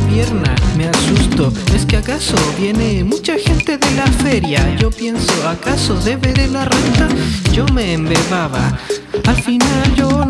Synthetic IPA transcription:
pje̞ɾna̰me̞asust̪oe̞skeakasoβje̞nemut͡ʃaxe̞nt̪e̞ðe̞lafe̞ɾjaʝo̞pje̞nsoakasoðe̞βeɾelarent̪ad͡ʒo̞meːmbeβaβaalfinald͡ʒo

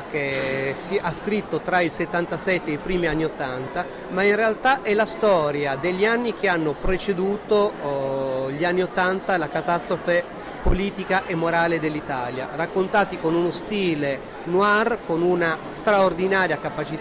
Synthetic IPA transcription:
kesiʔaskɾit̪ːot̪ɾailset̪ːant̪asɛt̪ːeːipɾiːmianːiot̪ːant̪a | mainrealt̪aʔɛlast̪ɔːɾjad̪eʎːianːik̟eanːopɾet͡ʃed̪uːt̪o | ʎːianːiot̪ːant̪alakat̪ast̪ɾofe | poliːt̪ikaʔemːoɾaːled̪elːit̪aːlja̰rakːont̪aːt̪ikonunost̪iːle | nwarkonunast̪ɾaord̪inaːɾjakapat͡ʃi

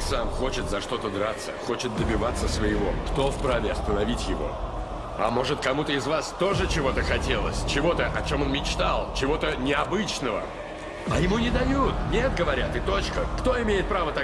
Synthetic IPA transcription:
samxo̞t͡ɕɪt̪zɐʂt̪o̞t̪əd̪ɾat̪sə̰xo̞t͡ɕɪt̪̚d̪əbʲɪvat̪sːəsvəjɪvo̞̰kt̪o̞fpɾavʲɪɐst̪ənɐvʲitʲjɪvo̞̰ | ɐmo̞ʐɨt̪kɐmut̪əɪzvast̪o̞ʐɨt͡ɕɪvo̞t̪əxɐtʲe̞lˠə̰sʲt͡ɕɪvo̞t̪əʔɐt͡ɕo̞mo̞nmʲɪt͡ɕt̪alˠt͡ɕɪvo̞t̪ənʲɪɐbɨt͡ɕnəvə̰ | ɐjɪmunʲɪd̪ɐjut̪nʲe̞t̪̚ɡəvɐɾʲat̪ɨt̪o̞t͡ɕkəkt̪o̞ɪmʲejɪt̪̚pɾavət̪a

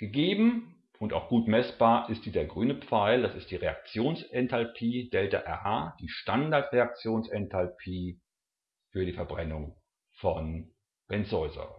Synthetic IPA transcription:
ɡ̥əɡeːbm̩ | ʊntaʊxɡ̥uːtmɛsb̥aːɐʔɪst̚d̥iːzɐɡʁyːnəpp͡faɪldasɪst̚d̥iːʁeak̚t͡sjoːnsʔɛntʰalpʰiːd̥ɛlta̰ʔɛɐʔaːd̥iːʃtandaɐtʁeak̚t͡sjoːnsɛntʰalpʰiː | fyːɐɾiːfɛɐbʁɛnʊŋ | fɔn | b̥ɛnsɔʏzɐ̰

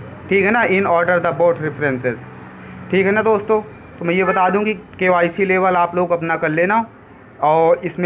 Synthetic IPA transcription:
ʈʰiːkɦɛnaʔɪnɔːɾɖəɾd̪ɐboːʈɾɪfɾɛ̃nsɪz | ʈʰiːkɦɛnad̪oːst̪õː | t̪omɛ̃jebɐt̪aːd̪ũkikeaːɪsileːʋəlaːploːɡɐpnakɐɾleːnaɦo | ɔːɪsmẽ

